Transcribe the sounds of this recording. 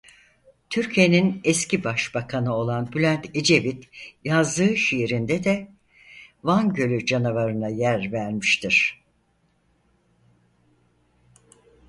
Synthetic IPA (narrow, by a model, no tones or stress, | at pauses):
t̪ʰyɾcʰijeninɛscibaʃbakʰanɯo̞lˠanbylʲænt̪ʰed͡ʒe̞vit̪jazd̪ɯːʃijɾind̪ɛd̪ɛ | vanɟø̞lʲyd͡ʒanavaɾɯnajæɾvæɾmiʃt̪ʰiɾ̥